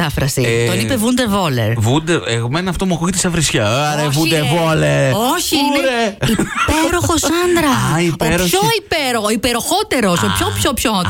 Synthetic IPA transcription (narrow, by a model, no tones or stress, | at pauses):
t̪ɐfɾɐsḭt̪onipevund̪evo̞lḛɾvund̪eeɣmenɐft̪omuɐkuʝit̪esɐvɾisçɐɐɾevund̪evoleɾoçiinɾeipeɾoxosɐnd̪ɾɐipeɾçoipeɾooipeɾoxot̪e̞ɾo̞sopçopçopço